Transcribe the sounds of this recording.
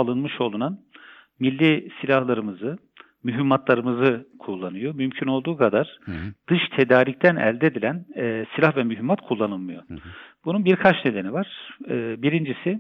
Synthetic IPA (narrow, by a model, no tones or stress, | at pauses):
alˠɯnmɯʃo̞lˠunan | milʲːisilʲahlˠaɾɯmɯzɯ | myɦimːat̪lˠaɾɯmɯzɯkʰulˠːanɯjomymcʰyno̞lˠd̪uːkʰad̪aɾ̥d̪̥ɯʃt̪ʰe̞d̪aːɾict̪ʰænɛ̰lʲd̪ed̪ilʲænːsilʲahvɛmyɦimːat̪kʰulˠːanɯlˠmɯjo̞b̥ununbiɾkʰat͡ʃne̞d̪e̞nivaɾ̥ːbiɾind͡ʒisi